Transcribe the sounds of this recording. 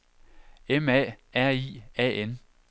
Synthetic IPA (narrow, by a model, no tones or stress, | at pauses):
emɛ̰ːæɐ̰ḭːɛ̰ːen